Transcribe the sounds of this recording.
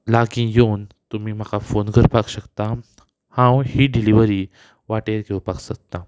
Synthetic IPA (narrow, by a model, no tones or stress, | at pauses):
laɡĩːjont̪um̤iːm̤əkafonɡʱəɾpakɕəkt̪a | hãwhiːɖiliʋəɾiː | ʋaʈeɾɡʱewpaksək̚t̪a